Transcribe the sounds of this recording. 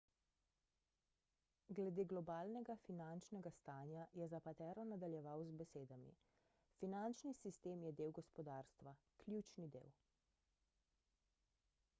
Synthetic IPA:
ɡlɛd̪eːɡlɔbaːlnɛɡafinant͡ʃnɛɡast̪aːnjajɛzapat̪ɛːɾɔnad̪aljɛʋawzbɛseːd̪amḭ | finant͡ʃnisist̪eːmjɛd̪eːwɡɔspɔd̪aɾst̪ʋa | klʲjut͡ʃnid̪ḛːw

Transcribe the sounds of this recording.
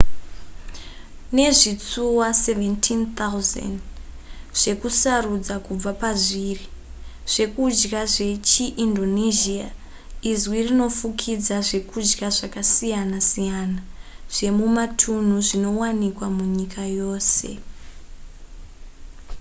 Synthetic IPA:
ne̞ʐit͡suwaseventʰint̪auza̰nd | ʐ̥e̞kusarud͡zakub͡vapaʐiriʐ̥e̞kud͡ʒɡaʐe̞t͡ʃiʔindo̞niʒia | izwirino̞fukʰid͡zaʐe̞kud͡ʒɡaʐakasijanasijanaʐ̥e̞mumatʰun̤uʐino̞wanikwamuɲikʰajo̞ːse̞̰

